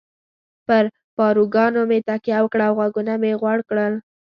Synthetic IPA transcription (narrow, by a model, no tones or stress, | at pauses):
pəɾ | pɑɾuɡɑnomet̪akjɑwəkɽaːwɣwaɡunameɣwaɽkɽəl